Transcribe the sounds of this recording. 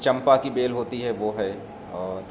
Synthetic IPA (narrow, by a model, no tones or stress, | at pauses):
t͡ʃɐ̃mpakibeːlɦoːt̪iɦɛʋoɦɛ | ɔː